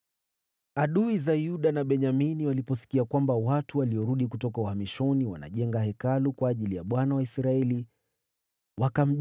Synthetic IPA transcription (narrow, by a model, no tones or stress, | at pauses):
aɗuizaiuɗanaɓɛɲaminiwalipɔsi̥kiakwambawatuwaliɔɾuɗikutɔkauhamiʃɔniwa̰na̰ʄɛŋɡahɛkalukwaːʄilijaɓwanawaisɾaɛli | wakam̩ʄ